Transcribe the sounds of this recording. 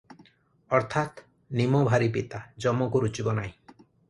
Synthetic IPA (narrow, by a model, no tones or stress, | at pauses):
ɔɾt̪ʰat̪ | nimobʱaɾipit̪ad͡ʒɔmɔkuɾut͡ʃibɔnaĩ